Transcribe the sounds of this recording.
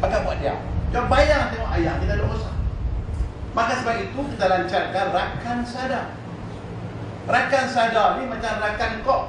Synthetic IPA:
bakabuaʔ̚dia̰wt͡ʃuabajaŋt̪eŋɔʔajaŋt̪it̪adaʔosa | makasəbap̚it̪ukit̪alaɲt͡ʃarkarakansada | rakansadanimat͡ʃamrakankɔʔ

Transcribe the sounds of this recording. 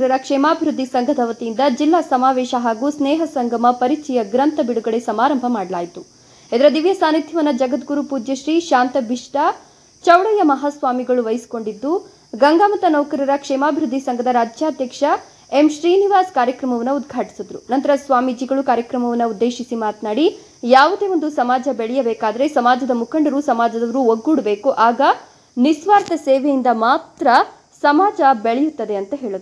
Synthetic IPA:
ɾɐɾɐkʂɛːmaːbʱiɾud̪ʱːisɐŋɡʱɐd̪ʰɐʋɐt̪ijind̪ɐd͡ʒilːaːsɐmaːʋeːʃɐɦaːɡusneːɦɐsɐŋɡʱɐmɐpɐɾit͡ʃɛjɐɡɾɐnt̪ɐbiɽuɡɐɭesɐmaːɾɐmbʱɐmaːɽɐlaːjit̪u | ɛd̪ɐɾɐd̪iʋjɐsaːnit̪ʰjɐʋɐnːɐd͡ʒɐɡɐt̪ɡuɾupuːd͡ʒjɐʃɾiːʃaːnt̪ɐbʱiʂʈɐ | t͡ʃɐwɽɐjɐmɐɦaːsʋaːmiɡɐɭuʋɐjisi̥ko̞ɳɖid̪ːu | ɡɐŋɡaːmɐt̪ɐnɐwkɐɾɐɾɐkʂɛːmaːbʱiɾud̪ʱːisɐŋɡʱɐd̪ɐɾaːd͡ʒjaːd̪jɐkʂɐ | emʃɾiːniʋaːskaːɾjɐkɾɐmɐʋɐnːɐud̪ɡʱaːʈi̥sɐd̪ɐɾunɐnt̪ɐɾɐsʋaːmid͡ʒiɡɐɭukaːɾjɐkɾɐmɐʋɐnːɐud̪ːeːʃisimaːt̪naːɽi | jaːʋud̪e̞ːʋo̞nd̪usɐmaːd͡ʒɐbeɭɛjɐbɛːkaːd̪ɐɾe̞sɐmaːd͡ʒɐd̪ɐmukʰɐɳɖɐɾusɐmaːd͡ʒɐd̪ɐʋɐɾuoɡːuːɽɐbe̞ːkuʔaːɡɐ | nisʋaːɾt̪ɐseːʋejind̪ɐmaːt̪ɾɐ | sɐmaːd͡ʒɐbeɭɛjut̪ːɐd̪e̞ɐnt̪ɐɦe̞ːɭɐd̪ɾu

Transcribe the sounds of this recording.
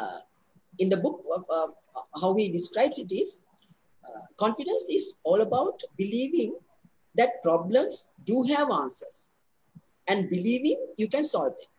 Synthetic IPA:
ĩnd̪əbʊkɔf | haʊhiɖiskɾaɪbsiʈiz | kɔ̃nfiɖə̃nsizɔːləbaʊʈbiliːʋĩŋ | d̪ɛʈ̚pɾɔblə̃msɖuːɦæʋãːnsə̰ɾs | ɛ̃nɖbiliːʋĩŋjukɛ̃nsɔlʋd̪ɛ̰̃m

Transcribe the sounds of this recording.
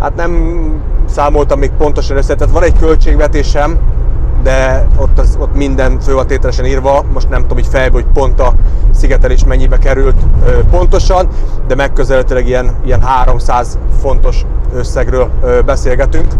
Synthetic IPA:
ha̰ːt̪nɛm | saːmo̞lt̪ɒmːeːk̚po̞n̪t̪o̞ʃɒnøsːɛk̚t̪aːt̪ʋɒnɛɟkø̞lt͡ʃeːɡʋɛt̪eːʃɛmd̪ɛot̪ːzo̞t̪mind̪ɛnføːvɒnt̪eːt̪ɛlɛʃɛniːrvɒmoʃt̪nɛmt̪t̪omiːcfɛjbhoc̚po̞nt̪ɒsiɡɛt̪ɛleːʃmɛɲːibɛkɛɾylt̪øpo̞nt̪o̞ʃɒnd̪ɛmɛkːøzɛlɛt̪ylɛɡijɛnijɛnɦaːɾo̞msaːzfo̞n̪t̪o̞ʃøsːɛɡrøːløbɛseːlɡɛt̪yŋk

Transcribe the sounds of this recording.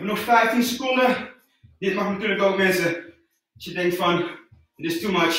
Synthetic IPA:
bənɔxfɛjftinsəkɔndə | dɪt̚mɑxntyːləkʋɛlˠʋɪnzə | ɑsjədɛŋk̚tfɑn | ɪtɪstumʌt͡ʃ

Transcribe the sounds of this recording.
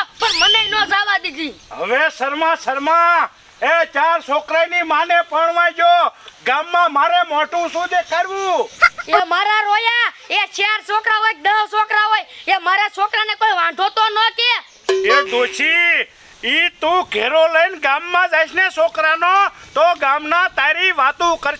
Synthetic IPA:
pəɾmənenoːd͡ʒaːʋad̪id͡ʒiːɦə̰ʋesəɾmãːsəɾmãː | et͡ʃaːɾsoːkɾaːiniːmaːnepəɳʋaːjd͡ʒoːɡaːmːãːmaːɾemoːʈũːsũːd̪eːkʰaɾʋũːeːmaːɾaːɾoːjaet͡ʃʰeɾsokɾaɦoːjk̚d̪əʋsoːkɾaʋoːjemaːɾesoːkɾanekoːjʋãːɖʱoːt̪onoke | eːd̪ot͡ʃʰi | it̪ũːkeːɾoləinɡaːmːãd͡ʒaːiʃnesoːkɾanoːt̪oɡaːmnãːt̪aːɾiʋaːt̪ũːkəɾ

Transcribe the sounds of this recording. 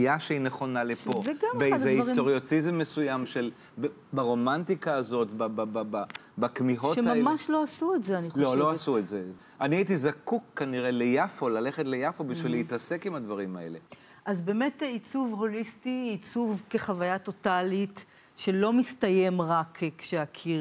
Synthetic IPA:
jaʃeineχo̞nalepoveɡambeadeisʁit̪oʁjotizemːesujamʃel | b | baʁo̞mantikaːzo̞tbababba | bakmiɦoʃemamaʃlo̞asuetzeaniχlloasuetze | aniait̪izakukːaniʁelejafo̞lale̞χetlejafo̞biʃvileit̪ase̞kimhad̪vaʁimae̞̰le̞ | ʔazbeːmetit͡suvho̞listiːt͡suvkeχavajato̞talit | ʃelo̞mistaje̞mʁakʰkʃeakʰiʁ

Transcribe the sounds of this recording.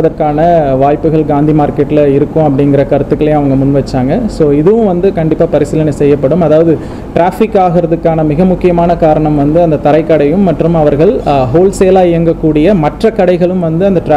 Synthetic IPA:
ɐðɐɾkaːnɐʋaːjpːɯɣɐɭɡaːnd̪imaːɾkeʈːɪlɐɪɾɯkːʊ̃ɐpːɐɽɪŋɡɪɾɐkɐɾɯt̪ːɯkːɐɭɐj̃ɐʋɐŋɡɐmʊnʋɐt͡ʃːaːŋɡɐsoːɪðɯʋɯ̃ʋɐnd̪ɯkɐɳɖɪpːaːpɐɾɪsɪlɐnisɛjːɐpːɐɽɯmɐðaːʋɐðɯ | ʈɾaːfɪkːaːɣɪɾɐðɯkːaːnɐmɪɣɐmʊkːɪjɐmaːnɐkaːɾɐɳɐmʋɐnd̪ɯɐnd̪ɐt̪ɐɾɐɪkːɐɽɐjɯmːɐʈrɯmɐʋɐɾɣɐɭɦoːlseːlaːɪjɐŋɡɐkːuːɽɪjɐmɐʈrɐkːɐɽɐɪɣɐɭɯmʋɐnd̪ɯɐnd̪ɐʈɾ

